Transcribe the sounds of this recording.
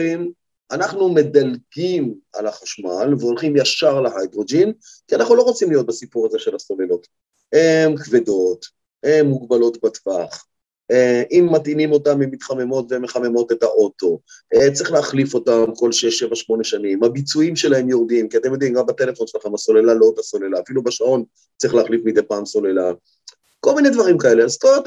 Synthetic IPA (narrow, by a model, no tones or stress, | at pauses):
im | ʔanaχnume̞d̪alɡima̰laχaʃmalveolχimjaʃaʁleɦajd̪ʁod͡ʒin | kianaχnulo̞ʁot͡simlijo̞t̚basipuʁazeʃelaso̞lelo̞t | hemkve̞do̞t | emːuɡbalo̞tbatvaχ | eʔimːatinimo̞tamimːit̪χame̞mo̞tvemeχame̞mo̞te̞taʔo̞to̞ʔet͡sʁiχleaχlifo̞tamko̞lʃeeʃevaʃmo̞ne̞ʃanimhabit͡suimʃe̞lahe̞mjoʁd̪imkiat̪emjo̞d̪imɡambat̪e̞le̞fo̞nʃelaχemaso̞lelalo̞t̪aso̞lelaːfilubeʃao̞n | t͡sʁiχleːχlifmid̪epaːmso̞lela | kolmined̪vaʁimkae̞leazstot̪